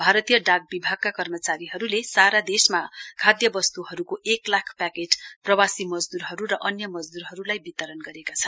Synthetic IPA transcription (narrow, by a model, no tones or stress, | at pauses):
bʱaɾʌt̪ijʌɖaɡ̚bibʱaɡ̚kakʌrmʌt͡saɾiɦʌɾulesaɾad̪esmakʰad̪jʌbʌst̪uɦʌɾukoʔeklakʰpakeʈprʌwasimʌd͡zd̪uɾɦʌɾuɾʌʔʌnjʌmʌd͡zd̪uɾɦʌɾulajbit̪ʌɾʌnɡʌɾekat͡sʰʌnn